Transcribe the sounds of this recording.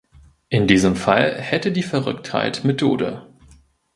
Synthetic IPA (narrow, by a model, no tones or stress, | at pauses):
ʔɪndiːzəmfa̰lhɛtədiːfɛɐʁʏktha̰ɪtmetʰo̰ːdə̰